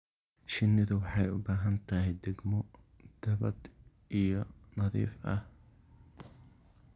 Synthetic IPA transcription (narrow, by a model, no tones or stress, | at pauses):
ʃɪnːɪðʊwɑħɑjʊbaːɦɐnt̪ʰɐɦɪjd̪ɛɡmɔ | d̪̥ɐβɐd̪ | ʔijɔnɐðḭːfʔɐ̰h